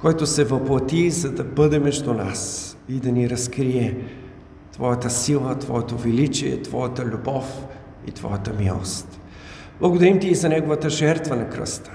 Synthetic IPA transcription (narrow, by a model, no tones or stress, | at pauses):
kɔjt̪osɛvɐplˠɐt̪izɐd̪ɐbɤd̪ɛmɛʒd̪una̰sid̪ɐniɾɐskɾiɛ | t̪vɔjɐt̪əsilˠət̪vɔ̰jɛt̪ovilit͡ʃiɛ̰t̪vɔjət̪əlʲubɔf | ḭt̪vɔ̰jət̪əmilˠo̰st̪ | b̥lˠɐɡod̪ɐɾimt̪iːzɐnɛɡovət̪əʒɛɾt̪vənɐkɾə̰st̪ə̥